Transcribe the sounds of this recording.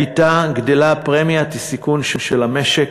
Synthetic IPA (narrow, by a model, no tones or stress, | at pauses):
it̪aɡd̪elapʁemijat̪isikunʃunʃelameʃek